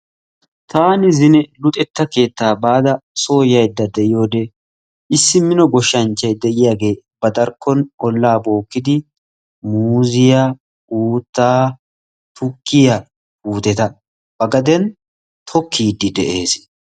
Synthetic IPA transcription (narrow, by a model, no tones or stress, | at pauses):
t̪aːnɪzɪnɛlʊt̪ʼɛt̪ːɐke̞ːt̪ːaːbaːd̪ɐso̞ːjɐjd̪ːɐd̪ɛʔɪjo̞ːd̪ɛ | ɪsːɪmɪnɔɡɔʃːɐnt͡ʃːɐjd̪ɛʔɪjaːɡe̞ː | b̥ɐd̪ɐɾkʰːɔnɔlːaːbo̞ːkːɪd̪ɪ | muːzɪja | uːt̪ːaː | t̪ʊkʰːɪjɐ | uːt̪ɛt̪ɐ | b̥ɐɡɐd̪ɛn | t̪ʰɔkʰːiːd̪ːɪd̪ɛʔe̞ːs